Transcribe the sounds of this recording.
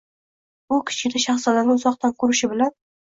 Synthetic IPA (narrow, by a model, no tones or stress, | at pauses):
bʊkʲʰɪ̥t͡ʃkʲɪd̪aʃaχsɒlaɾnɪʊzɒqt̪ʰankʰɵɾɪʃɪbɪlan